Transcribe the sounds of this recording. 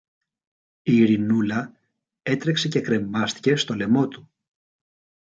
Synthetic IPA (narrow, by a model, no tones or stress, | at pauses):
iːɾinulɐ | e̞t̪ɾe̞kse̞ce̞kɾe̞mɐst̪i̥ce̞st̪o̞le̞mo̞t̪u̥